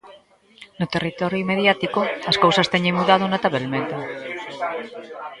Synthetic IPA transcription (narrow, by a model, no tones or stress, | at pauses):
not̪erit̪ɔɾjuimeðjat̪ikoɐskowsɐst̪ɛɲeŋmuðað̞onat̪aβelmẽnt̪e